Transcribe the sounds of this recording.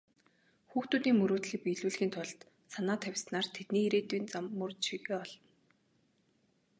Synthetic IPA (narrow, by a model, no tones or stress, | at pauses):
xuːxt̪uːt̪iːŋmɵɾoːt̪ɮiːk̚piɮuːɮxʲiːnt̪ʰʊɮt̪ | sanaːt̪ʰæwʲsnaːrt̪ʰet̪niːiɾeːt̪uːnt͡samːɵrʃiɣeːɔɮ̥ɞ̆n